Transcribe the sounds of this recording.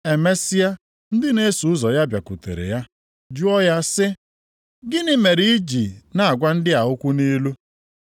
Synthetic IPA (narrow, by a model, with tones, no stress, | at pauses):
e˨me˦si˦a˦ | n̩˦dɪ˦ne˦su˨ʊ˦zɔ˨ja˦bja˨ku˨tḛ˨ɾḛ˨ja˦ | d͡ʒu˦ɔ˦ja˦sɪ˦ | ɡɪ˦nɪ˦me˨ɾi˦i˦d͡ʒi˨na˨a˨ɡʷa˦n̩˦dɪ˦a˨ɦʊ˦kʷʊ˦ni˦lu˦